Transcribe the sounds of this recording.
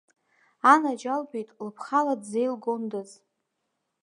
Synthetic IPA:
anad͡ʒalbejtʼlɨpʰχaladze̞jlɡo̞ndɨz

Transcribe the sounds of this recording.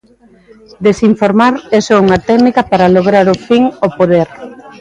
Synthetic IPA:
d̪esiɱfoɾmaɾesouŋɐt̪ɛɣnikɐpaɾaloɣ̞ɾaɾofiŋopoðeɾ

